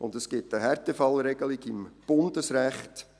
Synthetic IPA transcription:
ʔʊndəsɡ̥ɪtəhɛɾtɛfɑlɾɛɡəlɪɡɪmb̥ʊndəsɾæχt

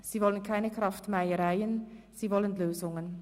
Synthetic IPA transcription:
z̥iːvɔlənkʰaɪnəkʁ̥ɑftmaɪəʁaɪənz̥iːvɔlənløːzʊŋən

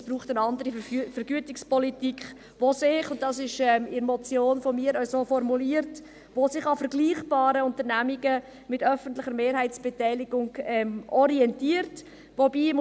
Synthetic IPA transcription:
sb̥ruːχtənɑndəɾifəɾɡyətɪkspɔlitikχ | ʋosɪχʊnt̚dɑsɪʃɛmɪɾmɔt͡sjoːnfomiːɾəsoːfɔɾmuliəɾt | ʋosɪχɑfəɾɡliːχb̥ɑːɾəʊntəɾnæmiɡə | mɪtœfən̩tlɪχəɾmeːɾɦhæɪt͡sb̥ɛtɛɪlɪɡʊŋɛmʔɔɾiɛntiːəɾt | ʋobiːm

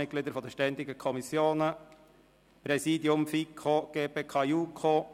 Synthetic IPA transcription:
ɪt̚klid̪əɾfɔd̪ɛʃtɛnd̪ɪɡəkʰɔmisjoːnə | pɾɛsiːdiʊmfikʰoɡ̥eːpeːkʰɑjukʰo

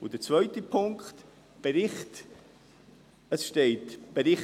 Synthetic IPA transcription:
od̥ət͡svœʏtəpʰʊŋkχt̪ | b̥eɾɪχt | əsʃteɪtb̥əɾɪχ

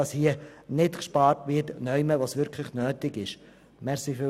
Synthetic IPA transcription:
ɑshiənɪtkʃpɑːɾtʋɪtnœʏməʋosʋʏɾkʰləχnøːtɪɡɪʃ | mɛʁsiːfɪ

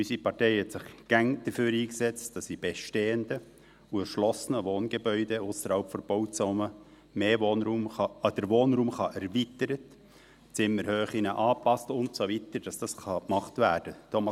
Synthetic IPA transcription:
ysipɑrteɪhɛtsɪχɡ̥æŋd̥əføːɾiːksɛt͡std̥ɑsːib̥eʃteːəndə | uɛʃlɔsənəʋoːnɡ̥ebœʏdeʊsəɾhɑlpfɔɾb̥oʊtt͡sɔmə | meːvoːnɾuːmɑd̥əɾʋoːnɾuːmχɑʔɛɾvitəɾət | t͡sɪmːəɾhøːχinəʔɑːpɑstʊntsovitəɾd̥ɑsd̥ɑsχɑkmɑχtvæːɾd̥ət̪ʰomɑ

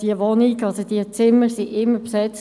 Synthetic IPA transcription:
d̥iəʋɔniɡɑlsod̥iət͡sɪməsiʔɪmːəpsɛt͡s

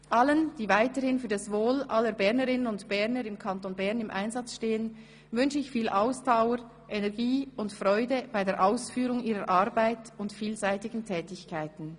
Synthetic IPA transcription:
ʔalənd̥iːvaɪtəɾhɪnfyːɐdasvoːlʔalːəbɛʁnəʁɪnənʊntb̥ɛʁnəɾɪmkʰantonbɛʁnɪmʔa̰ɪnzat͡sʃteːən | vʏnʃəɪçfiːlʔaʊsd̥aʊəɾ | ʔɛnɛʁɡiːʊntfrɔʏdəb̥aɪdeːʔaʊsfyːʁʊŋiːʁəɾʔaʁbaɪtʊntfiːlzaɪtɪɡn̩tʰɛːtɪçkʰaɪtn̩

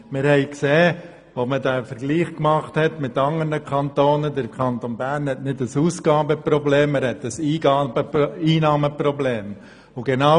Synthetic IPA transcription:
mɪɾhɛɪkseː | ʋomədɛfəɾɡ̥liːχkmɑχthɛtmɪtɑŋənəkʰɑntoːnədəɾkʰɑntonbæɾnhɛtnɪdəsuːsɡ̥ɑːbəpɾɔbleːməɾhɛtəsiːbəiːnɑːməprɔbleːm | ʊɡɛna

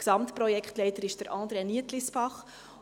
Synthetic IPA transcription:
ksɑmtpɾɔjɛkχtlɛjtəɾɪʃd̥əɾʔɑ̃ːd̪ɾeniətlisb̥ɑχ

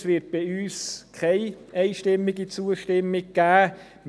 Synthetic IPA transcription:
sʋɪt̚b̥ɪyːskʰaɪɛɪʃtɪmːɪɡit͡suːəʃtɪmːɪɡ̚ɡ̥æː | m

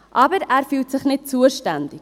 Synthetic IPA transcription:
ʔɑːbəɾæːrfyːltsəχnɛtsuərstændik

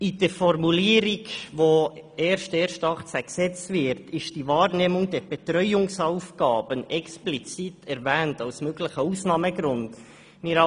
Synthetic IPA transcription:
id̥əɾfɔrmuliːəɾiɡʋoɛːɾʃteːɾʃtɑχt͡sæksɛt͡stvɪɾtɪʃd̥ivɑːrneːmʊŋdɛɾb̥ɛtɾœʏʊŋsɑwfɡɑːb̥ənɛksplit͡sitʰɛɾvæːntɑwsmøɡləχəusnɑːməɡɾʊnd̥ | mɪɾɑ

